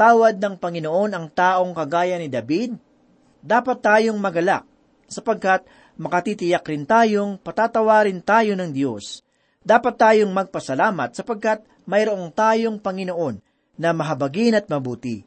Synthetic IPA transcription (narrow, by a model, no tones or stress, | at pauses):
t̪aːwɐd̪̚nɐŋpɐŋɪno̞ʔo̞nɐŋt̪aːʔo̞ŋkɐɡaːjɐnɪd̪ɐbid̪̚ː | aːpɐt̪ːaːjo̞ŋmɐɡɐla̰k̚ | sɐpɐɡ̚kat̪̚ | mɐkɐt̪it̪ɪjakɾɪnt̪aːjo̞ŋpɐt̪aːt̪ɐwaːɾɪnt̪aːjo̞nɐŋd̪jo̞s | d̪aːpɐt̪ːaːjo̞ŋmɐɡ̚pɐsɐlaːmɐt̪̚sɐpɐɡ̚kat̪̚ | mɐjɾoʔo̞ŋt̪aːjo̞ŋpɐŋɪno̞ʔo̞nː | ɐmɐɦɐbɐɡɪnɐt̪̚mɐbuːt̪ḭ